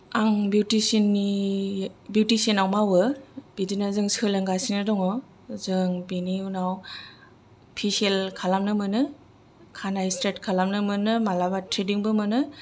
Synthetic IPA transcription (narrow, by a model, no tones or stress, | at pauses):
aŋbjutisinːi | bjutisenawmawɯb̥idinazɯŋsɯlɯŋɡasinɯdɔŋɔ | zɯŋbiniunaw | pʰiselkʰalamnɯmɯnɯ | kʰanaistetkʰalamnɯmɯnɯmalabatʰɾediŋbɯmɯnɯ